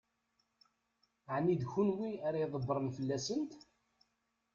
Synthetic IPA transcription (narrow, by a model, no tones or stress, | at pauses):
ʕnid̪çunwiaɾɑjðˤəbːɾˤənfəlːæsənt̪